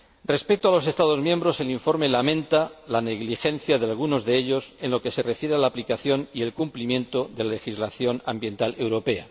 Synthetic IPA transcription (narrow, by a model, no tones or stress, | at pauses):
re̞spe̞k̚t̪oalo̞s̬e̞st̪aðo̞zmjembɾo̞se̞liɱfo̞ɾme̞lamẽ̞nt̪alane̞ɣlixẽ̞n̟θjaðealɣ̞uno̞zðeeʎo̞se̞nlo̞ke̞se̞re̞fje̞ɾealaplikaθjo̞nie̞lkumplimjẽ̞nt̪o̞ðe̞lale̞xizlaθjo̞nãmbjẽ̞nt̪ale̞wɾo̞pe̞a̰